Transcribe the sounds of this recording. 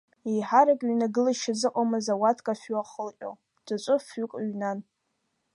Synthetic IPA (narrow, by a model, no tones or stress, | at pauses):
ijħaɾakʼɥnaɡɨlaʃazɨqʼamɨzawatʰkʼafuaχəlʔʲʼo̰ | d̥at͡ʃʷʼʊfʊkʼɥnan